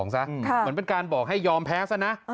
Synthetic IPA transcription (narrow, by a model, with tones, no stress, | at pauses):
ŋsa˦˥ʔʰmɯ˩˦npe˧nkaː˧nbɔː˨˩k̚ɦa˥˩jɔː˧mpʰɛː˦˥sa˥˩na˦˥